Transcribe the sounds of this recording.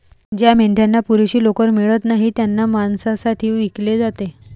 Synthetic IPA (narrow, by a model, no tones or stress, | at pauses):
d͡ʑjameɳʈjanːapuɾeɕiːlokəɾmiɭət̪naɦit̪janːamansasaʈʰiːʋikled͡zat̪e